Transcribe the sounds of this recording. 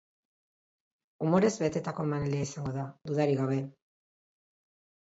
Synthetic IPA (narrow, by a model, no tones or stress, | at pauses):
umo̞ɾe̞zβe̞t̪e̞t̪ako̞emaneliaisaŋɡo̞ðad̪uðaɾiɣawβe̞